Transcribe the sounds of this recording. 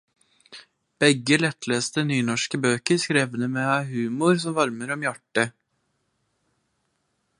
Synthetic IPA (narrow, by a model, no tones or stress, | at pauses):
b̥ɛɡːəlɛt̪ːleːst̪ənyːnɔʂkəbøːkəskɾeːʋənəmeɑɦʉːmʊɾsɔmvɑɾməɾɔmjæʈːə